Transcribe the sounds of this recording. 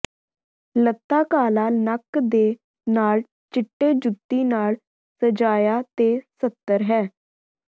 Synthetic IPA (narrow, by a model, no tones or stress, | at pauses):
lət̪ːaːkaːlaːnəkd̪eː | naːl | t͡ʃɪʈːeːd͡ʒʊt̪ːiːnaːl | səd͡ʒaːjaːt̪eːsət̪ːəɾɦɛː